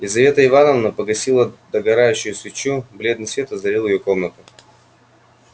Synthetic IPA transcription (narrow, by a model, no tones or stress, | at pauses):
ɪzɐvʲe̞t̪əɪvanəvnəpəɡɐsʲilˠəd̪əɡɐɾajʉɕːʊjʊsvʲɪt͡ɕːubɾʲed̪nɨsvʲe̞t̪ɐzɐɾʲilˠjɪjo̞ko̞mnət̪ʊ